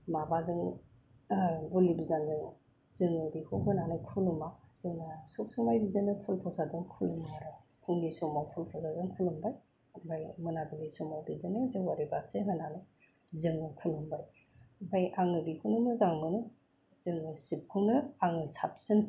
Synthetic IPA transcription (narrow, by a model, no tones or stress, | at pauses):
mabazɯŋ | bulibidandɯŋ | z̥ɯŋɯbikʰuɦɯnanɯkʰulumaz̥ɯŋasɔp̚suŋmajbidɯnɯpʰulpʰɔsazɯŋkʰulumaɾɯkʰuŋdisɔmawpʰulpʰɔzazɯŋkʰulumbaj | bajmɯnabilisɔmajbidɯnɯzɯwaɾibasɯɦɯnanɯ | zɯŋɯkʰulumbaɾ | bajaŋɯbikʰunumɯzaŋbɯnɯ | z̥ɯŋɯsip̚kʰuŋnɯaŋɯsa̰p̚sɯŋ